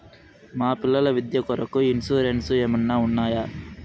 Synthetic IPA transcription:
maːpilːɐlɐʋid̪jɐkɔɾɐkuinsuːɾensueːmunːaːunːaːja

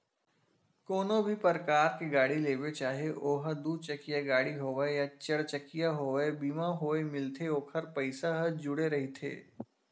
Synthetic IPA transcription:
koːnõbʱipəɾkaːɾkeɡaːɽileːʋet͡ʃaːɦieʔoːɦəd̪uːd̪̚t͡ʃɐkijaɡaːɽiɦoːʋejat͡ʃɐɽt͡ʃəkijaɦoːʋebiːmãɦoːemɪlt̪ʰeoːkʰəɾpɐɪsaɦəd͡ʒʊɽeɾɐɦit̪ʰḛː

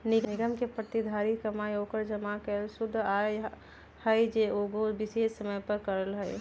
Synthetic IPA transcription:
nɪɡnɪɡəmkepɾət̪id̪ʱaɾikəmajokəɾd͡ʒəmakesʊd̪ʱːaj | həjd͡ʒeoɡobɪsessəməjpəɾkəɾəlɦəɪ

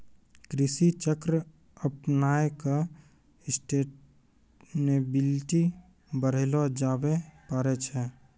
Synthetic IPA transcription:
kɾɪsit͡ʃəkɾ | əpnaːeka | ɪsʈeːʈ | nebɪlʈi | bəɾ̤ilɔd͡ʒaːbepəɾet͡ʃʰɛ

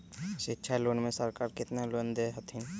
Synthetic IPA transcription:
ʃɪtːʃʰaloːnmẽsəɾkaːɾkɪt̪nalond̪eɦət̪ʰɪn

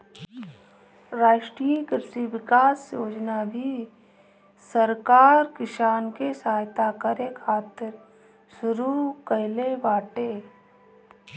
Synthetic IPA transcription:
ɾaːʃʈɾijkɾʃiʋɪkaːsjoːd͡ʒnabʱi | səɾkaːɾkɪʃaːnkesaːjt̪akəɾekʰaːt̪ɪɾ | sʊɾukəɦɪleʋaːʈeː

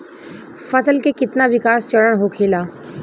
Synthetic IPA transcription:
fəsəlkekɪt̪naʋɪkaːst͡ʃəɽəɽ̃ɦokʰeːlaː

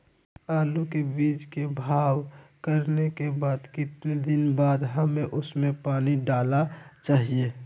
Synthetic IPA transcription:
aːlukebiːt͡ʃkebʱaːwkəɾnekebaːd̪kɪt̪ned̪ɪnbaːd̪ɦəmẽʔʊsmẽpaːniɖaːlat͡ʃaːɦie

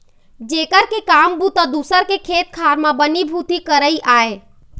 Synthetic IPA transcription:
d͡ʒekəɾkekambut̪ɔd̪usəɾkekʰet̪̚kʰaɾmabənibʱut̪ikəɾəiʔae

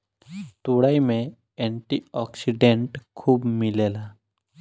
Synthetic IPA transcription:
t̪uɽaimẽ | ẽɳʈiɔksiɖeɳʈkʰuːbmɪleːla

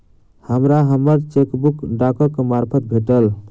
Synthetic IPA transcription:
həmɾaɦəməɾt͡ʃekbukɖakɔkːmaɾpʰət̪̚bʱeʈəl

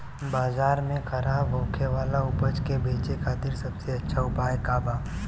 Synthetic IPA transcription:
baːzaːɾmẽxɐɾaːbɦoːkʰeʋaːlaʊpəd͡ʒkebʱeːt͡ʃekʰaːt̪ɪɾsɐbseɐtːʃʰaʊpaːɦekaːbaː

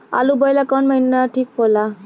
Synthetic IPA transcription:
a̰lubɔjlakɔnmajnaʈʰik̚pʰɔla

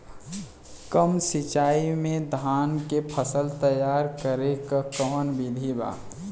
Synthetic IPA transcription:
kəmsɪt͡ʃaːimẽd̪ʱaːnkepʰəsəlt̪əjaːɾkəɾekakɔːnbɪd̪ʱiba̰ː

